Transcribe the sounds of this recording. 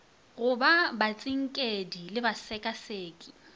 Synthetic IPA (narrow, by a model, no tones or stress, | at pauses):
ɣʊbabat͡sʼɪŋ̩kʼedilɪbasɛkʼaseːkʼɪ̥